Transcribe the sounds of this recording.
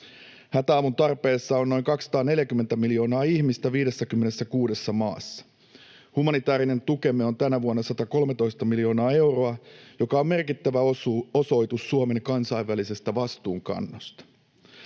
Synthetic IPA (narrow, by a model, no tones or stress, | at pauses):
hæt̪æɑːmunt̪ɑrpe̞ːsːɑonːo̞jŋkɑksɑ̥t̪ɑːne̞ljækymːent̪æmiljo̞ːnɑːiçmist̪æʋiːde̞sːækymːene̞sːækuːde̞sːɑmɑ̰ːsːɑ̥ | humɑnit̪æːɾine̞nt̪uke̞meo̞nt̪ænæʋuonːɑsɑt̪ɑko̞lmet̪o̞ijst̪ɑmiljo̞ːnɑːe̞wro̞ɑjo̞kɑo̞mme̞rkit̪ːæʋæoso̞jt̪usːuome̞ŋkɑnsɑiʋːælise̞st̪æʋɑst̪uːŋkɑ̰nːost̪ɑ̥